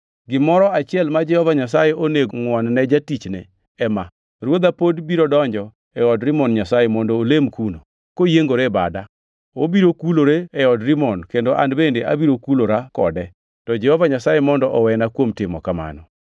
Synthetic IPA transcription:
ɡɪmɔɾɔat͡ʃɪɛlmad͡ʒɛhɔvaɲas̬ajeʔoneɡŋwɔnnɛd͡ʒatit͡ʃnɛ | ɛma | rwod̪apodbiɾodɔɲd͡ʒɔ | ɛɔdɾɪmɔnɲasajemɔndɔːlemkuno | kojeŋɡoɾeba̰da | obiɾokuloɾeɛɔdɾimɔnkendoʔa̰ndbendeʔabiɾokuloɾakɔ̰dɛ | tɔd͡ʒɛhɔvaɲasajemɔndɔʔɔwɛnakwomtɪmɔkama̰nɔ̰

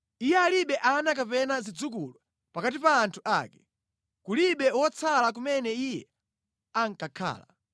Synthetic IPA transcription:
ijɛaliɓɛʔanak̬apɛnazid͡zuk̬ula | pakat̬ipaːntʰuʔa̰ːkɛ | kuliɓɛwɔt͡sʰalak̬umɛnɛijɛ | aŋ̩kakʰa̰ːla̰

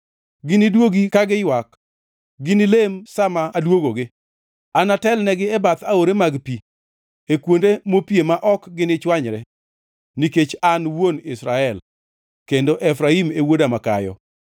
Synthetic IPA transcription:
ɡɪnɪdwoɡikaɡɪjwak | ɡɪnɪlemsamaːdwoɡoɡɪ | anatɛlnɛɡɪɛbat̪aoɾemaɡpi | ekwondemopjemaʔɔkɡɪnɪt͡ʃwaɲɾɛ | niket͡ʃanwonɪsɾaɛl | kendoʔɛfɾaimewodamaka̰jɔ̰

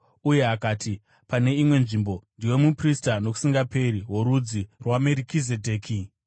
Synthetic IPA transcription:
uje̞ɦakaːtʰi | pane̞imwe̞nʐimbo̞ndiwe̞mupristano̞ku̥siŋɡape̞ɾiɦo̞ɾud͡zirwameɾikize̞dʱe̞ːkʰi

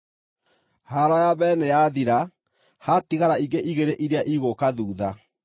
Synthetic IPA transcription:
haɾɔjaβɛːnejaðiɾa | hatiɣaɾaiŋɡeʔiɣeɾeʔiɾeaʔiɣokaðuːða

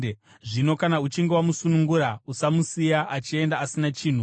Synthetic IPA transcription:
ʐino̞kanaut͡ʃiŋɡewamusunuŋɡuɾausamusijaʔat͡ʃie̞ndaːsinat͡ʃiːn̤u

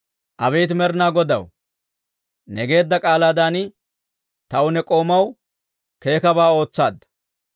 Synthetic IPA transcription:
ʔɐβɛjt̪mɛɾnaːɡɔd̪ɐw | nɛɡe̞ːd̪ːɐkʼaːlaːd̪aːnɪ | t̪ɐwʊnɛkʼo̞ːmɐw | ke̞ːkɐbaːo̞ːt͡sːaːd̪ːɐ̥

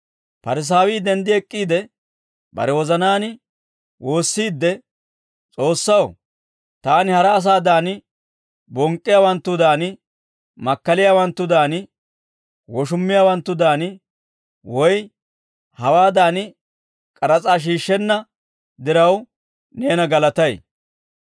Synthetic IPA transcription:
pɐɾɪs̬aːwɪːd̪ɛnd̪ɪɛkʼːiːd̪ɛ | bɐ̰ɾɛwɔzɐnaːnɪ | woːsːiːd̪ːɛ | t͡sʼo̞ːsːɐw | t̪aːnɪhɐɾɐːs̬aːd̪aːn | bɔŋkʼːɪjaːwɐnt̪ːʊd̪aːnɪ | mɐkːɐlɪjaːwɐnt̪ːʊd̪aːn | wɔʃʊmːɪjaːwɐnt̪ːʊd̪aːnɪ | wɔj | hɐwaːd̪aːnɪ | kʼɐɾɐt͡sʼaːʃ̬iːʃːɛnːɐ | d̪ɪɾɐw | neːnɐɡɐlɐt̪ɐj

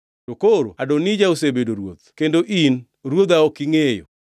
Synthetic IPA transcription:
dokoɾo̰adonid͡ʒaosebedoɾwo̰t̪kendoʔin | ɾwod̪aɔkɪŋejo̰

